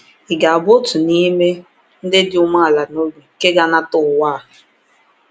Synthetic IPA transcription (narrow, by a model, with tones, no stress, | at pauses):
ɪ˨ɡa˨a˨bo˦tʊ˨ni˦me˦ | n̩˦dɪ˦dɪ˦ʊ˦ma˦a˨la˨no˦ɡu˨ke˦ɡa˦na˦tʊ˦˨wa˦˨